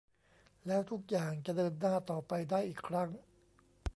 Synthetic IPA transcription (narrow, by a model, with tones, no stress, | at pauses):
lɛː˦˥wt̪ʰu˦˥k̚jaː˨˩ŋt͡ɕa˨˩dɤː˧nːaː˥˩t̪ɔː˨˩pa˧jdaː˥˩jʔiː˨˩kʰɾa˦˥ŋ